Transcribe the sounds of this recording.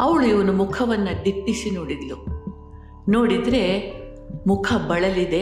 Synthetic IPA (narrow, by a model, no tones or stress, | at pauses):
ɐʋɐɭuiʋɐnumukʰɐʋɐnːɐd̪iʈːisinoːɽid̪lu | no̞ːɽid̪ɾe̞ | mukʰɐbɐɭɐlid̪e